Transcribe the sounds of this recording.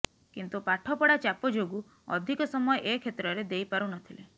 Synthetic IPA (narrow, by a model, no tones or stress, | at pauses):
kint̪upaʈʰɔpɔɽat͡ʃapɔd͡ʒoɡu | ɔ̰d̪ʱikɔsɔmɔjeʔekʰet̪ɾɔɾed̪ejpaɾunɔt̪ʰile